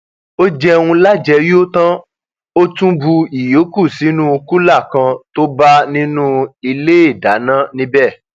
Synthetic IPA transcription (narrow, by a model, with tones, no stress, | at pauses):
o˦d͡ʒɛ˦wũ˧la˦˨d͡ʒɛ˧jo˦tã˦ | o˦tũ˦bu˧i˨jo˨˦ku˦˨si˨˦nũ˦o˧ku˦la˦˨kã˧to˦ba˦nĩ˦nũ˦i˧le˦e˦˨da˨˦nã˦nĩ˦bɛ˦˨